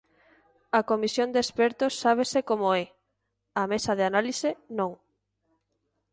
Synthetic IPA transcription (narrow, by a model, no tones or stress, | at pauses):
ɐkomisjond̪espɛɾt̪ʊsːaβ̞esekomoɛ | amesɐðeanalisenõŋ